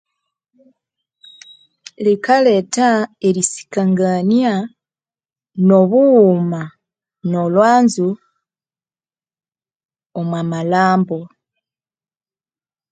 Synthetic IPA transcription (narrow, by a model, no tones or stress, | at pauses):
likaletaeɾisi̥kaŋɡania | no̞βuːma | no̞lwaːnzu | omwamalaːmbo